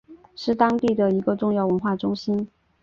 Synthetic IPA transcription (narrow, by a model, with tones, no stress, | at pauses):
ʂɻ̩˥˩t̪ɑ˥ŋt̪i˥˩d̪ə˩i˧˥ɡə˧ʈ͡ʂʊ˥˧ŋjɑ˥˩ʊwə˧˥nxwa˥˩ʈ͡ʂʊ˥ŋɕi˥n